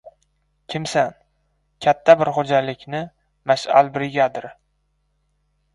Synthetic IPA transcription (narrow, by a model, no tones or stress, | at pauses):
kʲʰɪmsan | kʲʰat̪ʰːabɪɾχod͡ʒalɪkʲnɪ | maʃa̰lbɪɾɪɡʲad̪ɪɾ